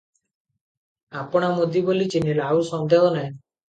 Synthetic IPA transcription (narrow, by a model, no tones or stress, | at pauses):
apɔɽ̃amod̪ʱibolit͡ʃinilausɔnd̪ʱeɦɔne